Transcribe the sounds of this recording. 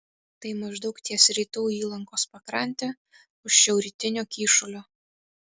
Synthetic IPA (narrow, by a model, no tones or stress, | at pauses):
t̪ɐɪmɐʒd̪ɒʊkt̪ʲiɛsɾʲiːt̪uːiːlˠɐŋkoːspɐkɾɐnʲt̪ʲe | ʊʃʃʲɛʊɾʲit̪ʲɪnʲoːkʲiːʃʊlʲoː